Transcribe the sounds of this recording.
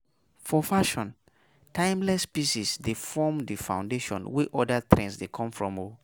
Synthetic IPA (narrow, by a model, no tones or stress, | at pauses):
fɔfaʃɔ̃n | tʰãɪ̃mlɛspiʃisdefɔmdifã̰ʊ̃ndeʃɔ̰̃nwɛʔɔdatʰɾɛ̰̃nsdekʰɔ̃mfɹɔ̃mo